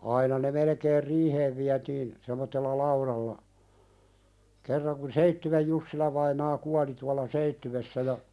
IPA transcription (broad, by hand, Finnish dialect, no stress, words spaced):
ɑinɑ ne melekeːr riːheːʋ ʋiætiːn semotːelːɑ lɑuɾɑlːɑ kerːɑŋ kun seitːywej jusːilɑʋɑinɑː kuɑli tuɑlɑ seitːywesːæ jɑ